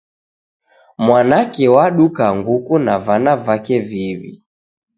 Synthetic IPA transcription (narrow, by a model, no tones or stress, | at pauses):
mwanakɛwaɗukaŋɡukunavanavakɛviwḭ